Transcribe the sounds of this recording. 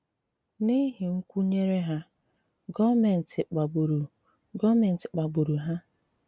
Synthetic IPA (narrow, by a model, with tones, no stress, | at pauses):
ni˦ɦi˨ŋ̩˦kʷu˦ɲe˦ɾe˦ɦa˦ | ɡɔ˦me˨n̩˨tʰɪ˨k͡pa˨ɡ͡bu˨ɾu˨ | ɡɔ˦me˨n̩˨tɪ˨k͡pa˨ɡ͡bu˨ɾu˨ɦa˦